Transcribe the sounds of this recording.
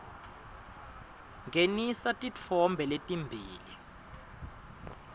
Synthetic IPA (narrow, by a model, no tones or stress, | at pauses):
ŋɡʱenisatʼit͡fʰɔmbʱɛletʼimbʱiːli